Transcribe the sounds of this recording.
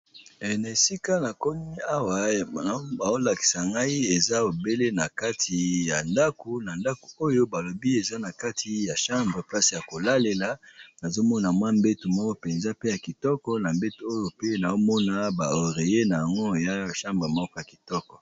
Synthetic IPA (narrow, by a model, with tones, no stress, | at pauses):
ɛ˨na˨e˨si˦ka˦na˨kɔ˦ni˦a˦wa˨˦ | ba˨o˦la˨ki̥˨sa˨ŋɡa˦i˦e˨za˦o˨be˦le˦na˨ka˦tʰi˨ja˨nda˦ko˨na˨nda˦ko̥˨o˦jo˦ba˨lo˨bi˦e˨za˦na˨ka˦tʰi˨ja˨ʃã˦mbʁe˨pla˦si˨ja˨ko˨la˦le˨la˨na˨zo˦mɔ˦na˨mwa˦m̩be˦tu˨mɔ˦kɔ˦pe˨nza˦pe˦ja˨ki˨tɔ˦kɔ˦na˨mbe˦tu˨o˦jo˨pe˦na˨o˦mɔ˦na˨ba˨o˨ʁe˨je˦na˨ja˨ŋɡo˦ja˦˨ʃã˦mbʁe˨mɔ˦kɔ˦ja˨ki̥˨tɔ˦kɔ̥˨